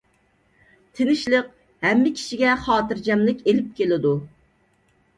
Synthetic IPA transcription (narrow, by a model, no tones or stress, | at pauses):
t̪ʰɪnɪʃləq | hɛmːɪkʲʰi̥ʃiɡʲɛχɑːt̪ɨɾd͡ʒɛmlɪkʲelɪp̚kʲʰelɪd̪u